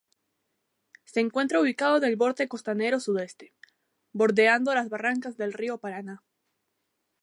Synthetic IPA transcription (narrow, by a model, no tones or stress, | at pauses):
se̞ːŋkwe̞nt̪ɾauβikað̞onelβo̞ɾt̪e̞ko̞st̪ane̞ɾo̞suðe̞st̪e̥ | bo̞ɾðe̞and̪o̞lazβaraŋkazðe̞lrio̞paɾana